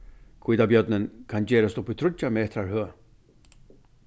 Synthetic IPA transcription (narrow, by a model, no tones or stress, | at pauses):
kʰiːd̪abjœd̪nənkʰɑnd͡ʑeːɾɔst̪ɔpːit̪ʰɾʊd͡ʒameɛt̪ʰɾaɾhøː